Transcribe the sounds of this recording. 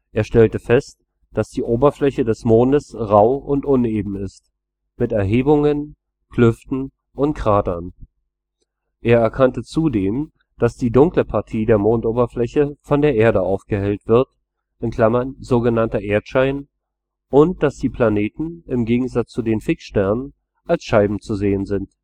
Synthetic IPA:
ʔeːɐʃtɛltəfɛst | d̥asd̥iːʔoːbɐflɛçədɛsmoːndəsʁaʊʔʊntʔʊnʔeːbm̩ɪst | mɪtɛɐɦeːbʊŋən | kʰlʏftn̩ | ʔʊntkʁ̥aːdɐn | ʔeːɐɛɐkʰantət͡sudeːm | d̥asd̥iːdʊŋkləpʰaɐtʰiːdeːɐmoːntʔoːbɐflɛçəfɔndeːɐʔeːɐdəʔaʊfɡ̥əhɛltv̥ɪɐt | ʔɪnkʰl̥amɐnzoːɡənantɐʔeːɐtʃaɪn | ʔʊnt̚d̥asd̥iːpʰl̥aneːtn̩ɪmɡeːɡŋ̩zat͡st͡sudeːnfɪkʃtɛɐnən | ʔalsʃaɪbm̩t͡suzeːənzɪnt

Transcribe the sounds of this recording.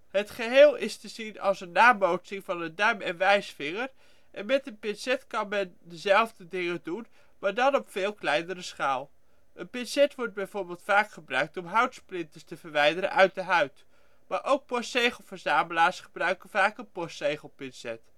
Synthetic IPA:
ɦətχəɦɪːlˠɪstəzinɑ̰lˠsənːaːmowtsɪŋvɑnəndœɥmɛnʋɛjsfɪŋəɹ | ʔɛnmɛtənpɪnsɛtkɑnmɛndəzɛlˠvdədɪŋədun | maːɹdɑnɔpfɪːlˠklɛjnərəsχaːlˠ | ʔənpɪnsɛtʋɔɹd̚bɛjvoːɹbɪːlˠtfaːkχəbrœɥk̚tɔmɦœɥtsplɪntəstəvəɹʋɛjdəɾə̰nʔœɥt̚dəɦœɥt | maːɹʔowk̚pɔsejχəl̩ˠvəɹzaːməlaːɹsχəbrœɥkənvaːkənpɔsejχəl̩ˠpɪnsɛt

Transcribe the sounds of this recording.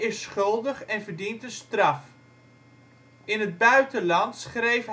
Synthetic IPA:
ɪsχɵlˠdəχɛnvərdintəstrɑf | ɪnɦəd̚bœɥtəlɑntsχrejf

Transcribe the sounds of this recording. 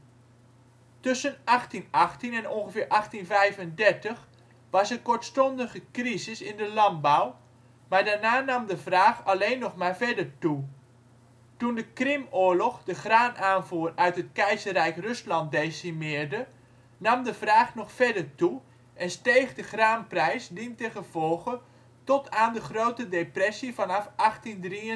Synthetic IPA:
tɵsənɑχtinɑχtinɛnɔnχəvɪːɹʔɑχtinvɛjvəndɛɹtəχ | ʋɑsəkɔɹtstɔndəχəkrizɪsɪndəlɑnbɔw | maːɹdaːɹnaːnɑmdəvraːχɑlejnːɔχmaːɹvɛɹdəɹtu | tundəkrɪmʊːɹlɔχdəχraːnaːnvuːrœɥtɦət̚kɛjzərɛjkrɵslɑnt̚dejsimɪːɹdə | nɑmdəvraːχnɔχfɛɹdəɹtu | ʔɛnstejχdəχraːnprɛjsdintəχəv̥ɔlˠɣə | tɔtaːndəχrowtədejprɛsivɑnɑfɑχtindri

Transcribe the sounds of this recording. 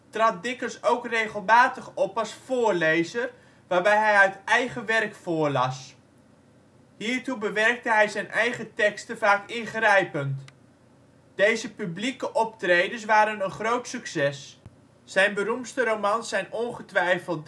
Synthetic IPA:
trɑt̚dɪkəsowkrejχəlˠmaːtəχɔpɑsfʊːrlejzər | ʋaːrbɛjɦɛjœɥtɛjχəʋɛrkfʊːɹlɑs | hiːɹtubəʋɛrk̚təɦɛjzɛjnʔɛjχətɛkstəvaːkɪnχrɛjpənt | d̥ejzəpyblikəʔɔp̚trejdəs̬ʋaːɾənənχrowtsyksɛs | sɛjnbəɾumpstəɾomɑnsɛjnɔnχətʋɛjfəlˠt

